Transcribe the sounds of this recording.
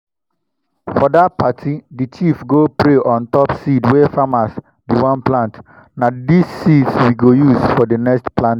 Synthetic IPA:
fɔdatpatʰidit͡ʃifɡopɾeʔɔ̃ntɔpsidwefamas | diwãnplãnt | nadisːidswiɡojusfɔdenɛkstplãnt

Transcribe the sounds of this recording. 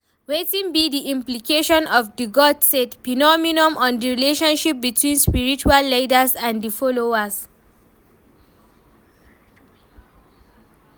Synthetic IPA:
wetĩnbidiĩmplikʰeʃɔ̃nɔvdiɡɔdsetpinɔminɔ̃mɔ̃ndəɹileʃɔ̃nʃip̚bitʰwĩnspiɹit͡ʃualːadəsãndifɔloas

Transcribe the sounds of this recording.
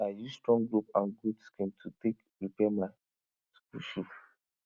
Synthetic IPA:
ajustɹɔ̃ŋɡɹupãnɡudskʰɛ̃mtʰutek | ɹipɛmaɪ | skluʃi

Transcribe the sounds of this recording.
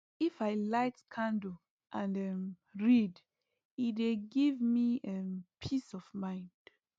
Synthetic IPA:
ifaɪlaɪtkʰãndə | ʔãndɛ | ɹid | ideɡivmiɛpʰisɔvmãɪ̃nd̥

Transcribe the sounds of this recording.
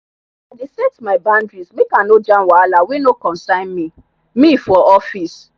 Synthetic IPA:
adesɛtmaɪbãndɹismekanod͡ʒãnwalawenokɔ̃nsãɪ̃nmi | mifɔʔɔfis

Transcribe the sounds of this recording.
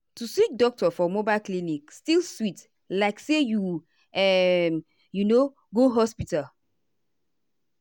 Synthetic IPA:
tusik̚dɔk̚tɔfɔmobaɪlklinikstilswit | laɪkseju | ɛm | juno | ɡoɦɔspital

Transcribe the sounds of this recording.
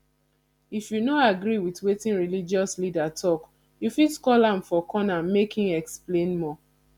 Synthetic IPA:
ifjunoaɡɾiwitwetĩnɹilid͡ʒɔslidatʰɔk | jufidkɔlãmfɔkʰɔnamekʰĩŋɛksplẽnmɔ

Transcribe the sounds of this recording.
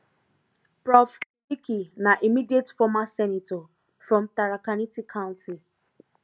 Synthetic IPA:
pɹɔf | ikinaʔimidietfɔmasɛnitɔ | fɾɔ̃mtaɾakanitikʰãʊ̃ntʰi

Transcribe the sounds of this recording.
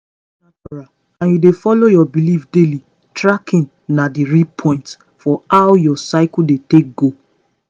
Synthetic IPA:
ataɹa | ãnjudefɔlojɔbilifdeli | tɹakĩn | nadiɹipʰɔ̃ɪ̃nt | fɔawjɔsaɪkuldetek̚ɡo

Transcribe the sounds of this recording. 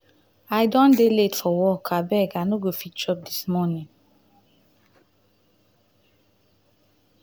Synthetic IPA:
aɪdɔ̃ndeletfɔwɔkʰabɛɡanoɡofit͡ʃɔp̚dismɔnĩŋ

